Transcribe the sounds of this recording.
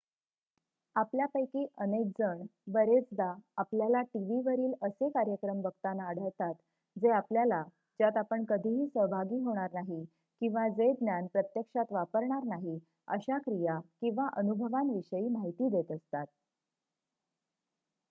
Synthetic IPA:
apljapəjkiːʔənek̚d͡zəɳbəɾet͡sd̪aːpljalaʈiʋiʋəɾiːləsekaɾjəkɾəmbəɡ̚t̪anaəɽ̤əɭt̪at̪ | d͡zeapljala | d͡ʑjat̪apəɳkəd̪ʱiɦiːsəɦbʱaɡiːɦoɽ̃aɾnaɦi | kĩw̃ʋad͡zed̪njanpɾət̪jəkʂat̪ʋapəɾɳaɾnaɦi | ə̰ɕakɾijakĩw̃ʋaʔənubʱəʋãnʋiɕəiːmaɦit̪iːd̪et̪əst̪at̪̚

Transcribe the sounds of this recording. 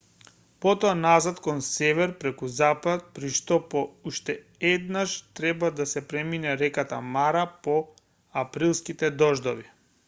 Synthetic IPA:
pɔt̪ɔanazat̪kɔnsɛvɛɾpɾɛkuzapat̪̚pɾiʃt̪ɔpɔuʃt̪ɛ | ɛd̪naʃt̪ɾɛbad̪asɛpɾɛminɛɾɛkat̪amaɾapɔ | apɾilˠskit̪ɛd̪ɔʒd̪ɔvi

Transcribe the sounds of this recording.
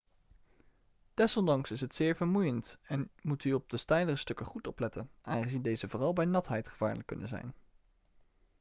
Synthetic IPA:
d̥ɛsɔndɑŋsɪsɦətsɪːɹvəɹmujəntɛnmutyɔb̚dəstɛjdərəstɵkəχutɔplɛtənʔaːŋχəzindejzəvʊːrɑlˠbɛjnɑtɦɛjtχəv̥a̰ːɹləkːɵ̰nə̰nzɛ̰jn

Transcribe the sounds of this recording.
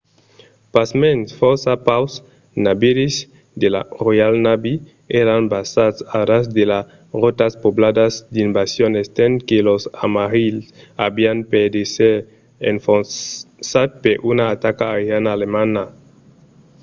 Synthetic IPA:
pasmensfɔsapaws | nabiɾiz | d̪elarojalnabi | eɾanbasatsaɾasd̪ela | rot̪aspoblad̪azd̪imbasjonest̪enkelosamaɾilsabianped̪ese | ḛɱfonsat̪̚peɾʔunaːt̪akaːɾanaːlemana

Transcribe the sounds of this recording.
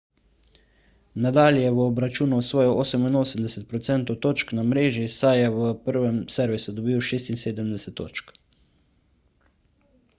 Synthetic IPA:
nad̪aːljjɛʋəɔbɾat͡ʃuːnuwsʋɔːjɔʔoːsəminoːsəmd̪ɛsɛt̪̚pɾɔt̪sɛnt̪ɔwt̪oːt͡ʃknamɾeːʒisajjɛʋəpəɾʋɛmsɛɾʋisud̪ɔbiwʃeːst̪inseːd̪əmd̪ɛsɛt̪ːo̰ːt͡ʃk

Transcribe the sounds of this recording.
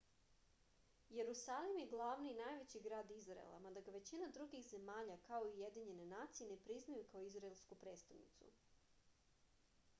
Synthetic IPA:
je̞ɾusalimjeɡlˠaʋniːnajʋe̞t͡ɕiɡɾaːd̪izɾa̰ḛlˠa̰mad̪aɡaʋe̞t͡ɕinad̪ɾuɡixze̞maːʎakaoiuje̞d̪iɲe̞ne̞naːt̪sije̞nepɾiznajukaoizɾaelˠskupɾe̞ːt̪st̪aʋnḭt̪sṵ

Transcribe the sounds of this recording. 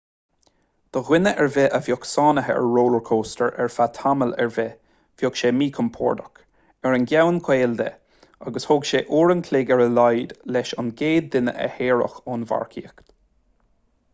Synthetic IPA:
d̪̥əɣwɪnəʔɛɹvɛʔəvjɔksɑːnəɦəɛ̰ɹɹoːləɹkʰoːstəɹʔɛɹfat̪ʰaməlɛ̰ɹvɛ | v̥jɔkʃeːmiːkʰəmpʰɔ̰ːɹd̪ək | ɛɹənɡjawənkʰweːld̪ə̰ | aɡəshoɡʃeːʔuːɹənkʰleːɡɛɹəlajd̪lɛʃanɡeːd̪ːɪnə̰ʔə̰heːɹə̰xoːnva̰ɹkʰḭːəkt̪

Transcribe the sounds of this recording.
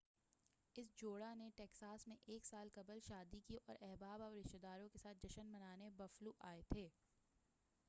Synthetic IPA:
ɪsd͡ʒoːɽaneʈeːksaːsmẽʔeːksaːlkɐbəlʃaːd̪ikiʔɔ̰ːɾʔɛɦbaːbɔːɾɪʃt̪ed̪aːɾõkesaːt̪̚ʰd͡ʒɐʃənmɐnaːnebɐfluʔaːet̪ʰeː

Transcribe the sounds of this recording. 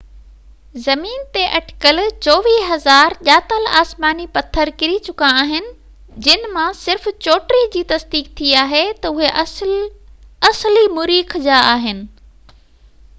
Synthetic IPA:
zɐmiːnt̪eʔɐʈɪ̥kəlt͡ɕɔːʋiːɦɐzaːɾʄaːt̪əlaːsmaːnipɐt̪ʰːəɾkɪɾit͡ɕʊkãaːɦɪnɪ̆ | d͡ʑɪnmãsɪɾft͡ɕoːʈɾid͡ʑiːt̪ɐsd̪iːk̚t̪ʰiaːɦet̪ɐʊɦeʔ | ɐslimʊɾiːkʰd͡ʑaːaːɦɪnɪ̆

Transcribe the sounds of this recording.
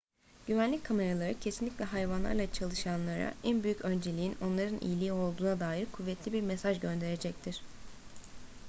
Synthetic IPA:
ɟ̥yvænlʲickʰame̞ɾalˠaɾɯcʰesinlʲiclʲɛɦajvanlˠa̰ɾlˠat͡ʃʰalˠɯʃanlˠaɾa̰ʔænbyjycø̞nd͡ʒe̞lʲiino̞nlˠaɾɯnʔḭjlʲiːo̞lˠd̪uːnad̪aːjiɾkʰuvːɛt̪ʰlʲibiɾmesaʒɟø̞nd̪e̞ɾe̞d͡ʒɛct̪ʰiɾ̥

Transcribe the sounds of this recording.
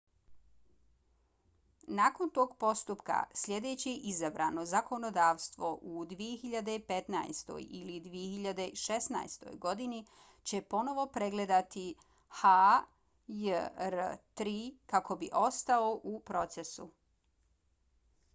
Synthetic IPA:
naːko̞nt̪o̞ːɡpo̞st̪upka̰slʲʎʲe̞d̪e̞ːt͡ɕiʔizabɾa̰no̞zako̞no̞d̪aːʋst̪ʋo̞ʔud̪ʋijexiʎad̪e̞pe̞t̪na̰jst̪o̰jḭlid̪ʋijexiʎad̪e̞ʃesna̰jst̪o̞̰jɡo̞d̪ini | t͡ɕe̞po̞no̞ʋo̞pɾe̞ɡle̞d̪at̪i | ha | jəɾt̪ɾiːkako̞biʔo̞st̪aoʔupɾo̞t̪se̞su

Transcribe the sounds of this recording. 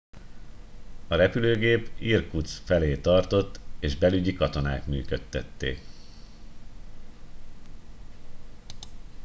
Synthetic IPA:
ɒɾɛpyløːɡeːpirkut̪sfɛleːt̪ɒrt̪o̞t̪ːeːʒbɛlyɟikɒt̪o̞na̰ːkmy̰ːkøt̪ːɛt̪ːḛː

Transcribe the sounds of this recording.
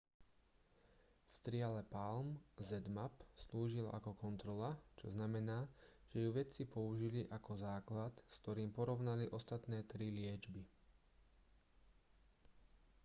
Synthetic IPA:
fst̪ɾɪalɛpalmzɛd̪mapsluːʒila̰kɔkɔnt̪ɾɔlat͡ʃɔznamɛnaːʒ̥ɛjuʋɛt͡sipɔuʒiliʔakɔzaːklat̪skt̪ɔɾiːmpɔɾɔʊnaliʔɔst̪at̪nɛːt̪ɾilɪɛd͡ʒbi

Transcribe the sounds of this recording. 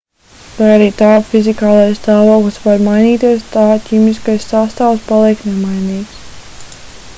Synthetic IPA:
vajaɾiːt̪aːfizikaːlˠajst̪aːvoːklɨsvaɾmajniːt̪iɛst̪aːcʲimiskajsːast̪aːwspalˠiɛkt̪nemajniːks

